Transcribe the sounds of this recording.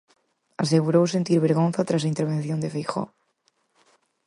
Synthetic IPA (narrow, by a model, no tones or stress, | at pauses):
as̬eɣ̞uɾowsent̪iɾβeɾɣonθat̪ɾasaint̪eɾβ̞enθjond̪efejxo̰